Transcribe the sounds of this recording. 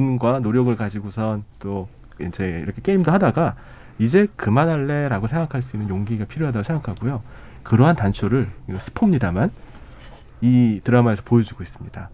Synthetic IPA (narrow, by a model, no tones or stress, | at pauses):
unɡwanoɾjʌɡɯɭkad͡ʑiɡosʰʌnt͈o | int͡ɕʰeḭɾʌkʰek͈eimdohadaɡa | id͡ʑe̞kɯmanaɭːe̞ɾaɡosʰe̞ŋɡakʰaɭs͈uinːɯnjoŋɡiɡapʰiɾjoɦadaɡosʰe̞ŋɡakʰaɡujo | kɯɾʌɦantant͡ɕʰoɾɯɭɡsʰɯ̥pʰomɲidaman | itɯɾamae̞sʰʌpojʌd͡ʑuɡois͈ɯmɲida